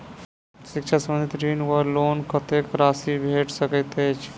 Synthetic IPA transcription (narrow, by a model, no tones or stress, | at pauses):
sɪkʃʰasə̃mənd̪ʱit̪ɾiːnʋəɾloːnkʰət̪eːkɾaːsibʱeːʈsəkət̪et͡ʃ